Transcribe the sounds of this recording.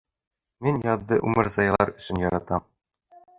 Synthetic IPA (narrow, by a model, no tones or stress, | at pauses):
minjɒðːɤʔʉmɘ̆ɾzɑjɑlˠɑɾɵ̆ɕɘ̆njɒɾɑt̪ɑm